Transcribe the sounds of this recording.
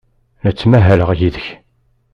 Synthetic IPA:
nət͡sːmæɦæləʁjiðəç

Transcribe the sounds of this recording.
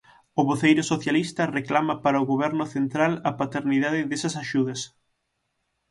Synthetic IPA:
ʊβoθejɾʊsoθjalist̪ɐreklamɐpaɾɐʊɣoβɛɾnʊθent̪ɾalɐpat̪eɾniðaðɪðesɐsaʃuðɐs

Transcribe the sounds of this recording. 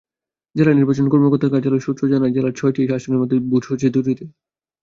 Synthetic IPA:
d͡ʑeɾaniɾbat͡ɕonkɔɾmokɔɾt̪ʰːaɾkaɾd͡ʑaloɾʃut̪t͡ɕʰod͡ʑanajd͡ʑelaɾt͡ɕʰɔeʈʰiʃaʃoneɾmɔt̪ebud͡ʑʱot͡ɕʰed̪ud̪it̪e

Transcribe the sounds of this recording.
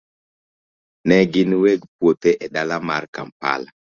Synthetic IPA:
nɛɡɪnweɡpwot̪eʔɛdalamarka̰mpa̰la

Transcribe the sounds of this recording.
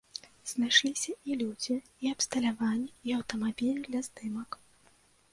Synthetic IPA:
z̥najʂlʲisʲɐilʲud͡zʲi | iɐpst̪ɐlʲavanʲːiiɐwt̪ɐmabʲilʲnɨd̪lʲɐzd̪ɨmɐk

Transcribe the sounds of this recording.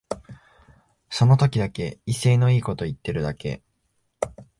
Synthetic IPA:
so̞no̞t̪o̞kʲid̪ake̞ise̞ːno̞iːko̞t̪o̞it̪ːe̞ɾɯ̟d̪ake̞̰

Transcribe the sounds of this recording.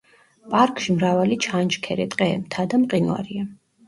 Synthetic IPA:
pʼaɾkʼʃimɾavalit͡ʃʰant͡ʃkʰɛɾɛt̪ʼqʼɛmt̪ʰad̪amqʼinwa̰ɾia

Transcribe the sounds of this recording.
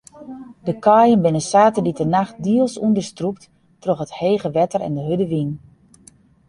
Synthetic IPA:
dəkɑjənbɪnəsaːtəditənaxt̚diəlˠsundərstrup̚t | troxətheːɣəʋɛtərɛ̰ndəɦødəʋin

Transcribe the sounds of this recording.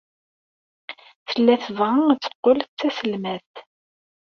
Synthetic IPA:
θəlːæθəvʁət͡sːə̥qːolt͡sːæsəlmæθθ

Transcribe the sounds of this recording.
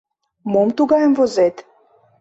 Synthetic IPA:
momt̪uɡɑjəmvozet̪

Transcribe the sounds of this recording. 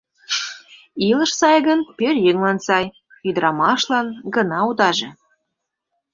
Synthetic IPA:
ilə̆ʃsɑjɣənpørjəŋlɑnsɑj | yd̪əɾɑmɑʃlɑnɡə̆nɑud̪ɑʒĕ

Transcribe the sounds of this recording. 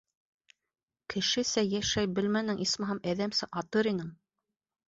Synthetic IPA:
kʰɘ̆ʃɘsæjæʃæjbɘ̆lmænɘŋʔismɑ̆ɦɑmæðæmsɘʔɑt̪ɤɾinɘŋ

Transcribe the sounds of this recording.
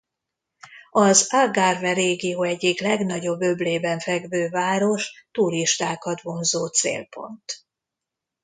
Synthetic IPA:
ɒzaɡarvɛɾeːɡijoːɛɟːiklɛɡnɒɟo̞bːø̞bleːbɛɱfɛɡvøːvaːɾo̞ʃt̪uɾiʃt̪aːkɒd̪vomzoːt̪sḛːlpʰo̞̰nt̪

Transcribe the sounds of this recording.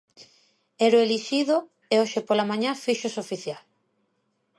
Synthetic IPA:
ɛɾʊeliʃiðo | eoʃepolamãɲãfiʃosofiθjal

